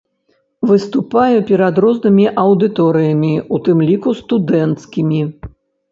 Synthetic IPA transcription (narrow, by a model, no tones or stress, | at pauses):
vɨst̪upajɛpʲɛɾɐd̪ɾɔznɨmʲiʔɐwd̪ɨt̪ɔɾɨjɐmʲiut̪ɨmlʲikust̪ud̪ɛnt̪skʲimʲi